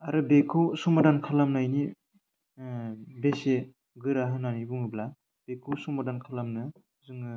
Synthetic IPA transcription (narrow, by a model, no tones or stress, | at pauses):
aɾɯbekʰɯwsumadankʰalamnajni | bese | ɡɯɾaɦɯnanibuŋɯbla | b̥ekʰuwsumadankʰalamnɯ | zɯŋɯ